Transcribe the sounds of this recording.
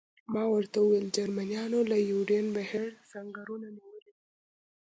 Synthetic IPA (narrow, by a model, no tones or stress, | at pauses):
mɑwəɾt̪auweld͡ʒaɾmanijɑnolajuɖenbaheɾsaŋɡaɾunaniwəlid̪i